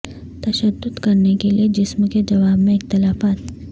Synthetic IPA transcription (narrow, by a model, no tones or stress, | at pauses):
t̪ɐʃəd̪ːʊd̪kɐɾnekelied͡ʒɪsmked͡ʒɐʋaːbmẽɪxt̪ɪlaːfaːt̪